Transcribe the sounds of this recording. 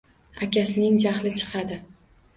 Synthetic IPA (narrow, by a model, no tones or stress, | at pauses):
akʲasɪnɪŋd͡ʒaχlɪt͡ʃʰɨ̥qʰɑd̪ɪ